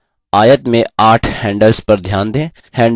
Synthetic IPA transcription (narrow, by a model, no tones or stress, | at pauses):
aːjət̪mẽaːʈʰhɛ̃ːɳɖəlspɐɾd̪ʱjaːnd̪ẽː | hɛ̃ːɳ